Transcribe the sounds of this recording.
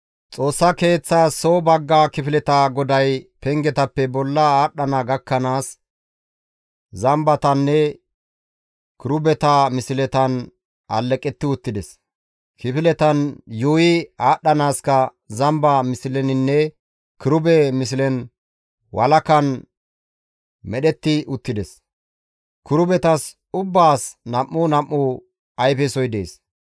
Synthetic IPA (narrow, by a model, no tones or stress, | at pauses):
t͡sʼo̞ːsːɐke̞ːt͡sːasoːbɐɡːakɪfɪlɛt̪aɡɔd̪ɐjpɛŋɡɛt̪ɐpːɛbɔlːɐaːɗːɐnaɡɐkːɐnaːs | zɐmbɐt̪ɐnːɛ | kɪɾʊbɛt̪ɐmɪsɪlɛt̪ɐn | ɐlːɛkʼːɛt̪ːɪʊt̪ːɪd̪ɛs | kɪfɪlɛt̪ɐnjuːjɪaːɗːɐnaːskɐ | zɐmbɐmɪsɪlɛnɪnːɛ | kɪɾʊbɛmɪs̬ɪlɛn | wʔɐlɐkɐn | mɛɗɛt̪ːɪʊt̪ːɪd̪ɛs | kʊɾʊbɛt̪ɐs | ʊbːaːsnɐmːʊnɐmːʊ | ɐjpɛsɔjd̪eːs